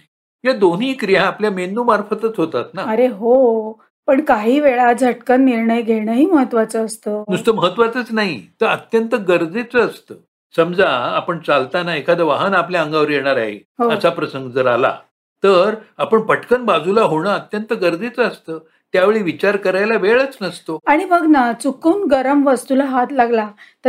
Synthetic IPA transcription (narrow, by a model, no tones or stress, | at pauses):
jad̪on̤iːkɾijãːpljamend̪uːmaɾfət̪ət͡sɦot̪at̪naəɾeɦo | pəɳkaɦiːʋeɭad͡zʱəʈkənːiɾɳəjɡʱeɽəɦiːməɦət̪ʋat͡səəst̪əːd̪ust̪əməɦət̪ːʋat͡sət͡snaɦit̪əɾət̪jənt̪əɡəɾd͡zet͡səːst̪əː | səmd͡zʱaːpəɳt͡salt̪anaekʰad̪əʋaɦənapljaəŋɡaʋɾijeɽ̃aɾaɦḛɦoəsapɾəsəŋɡd͡zəɾala̰ | t̪əɾapəɳpəʈʰkənbad͡zulaɦoɽ̃əət̪jənt̪əɡəɾd͡zet͡səəst̪əː | t̪jaʋeɭiːʋit͡ɕaɾkəɾajlaʋeɭət͡snəst̪oaɽ̃ibʱəɡnat͡sukuːnɡəɾəmʋəst̪ulaɦat̪laɡlat̪ə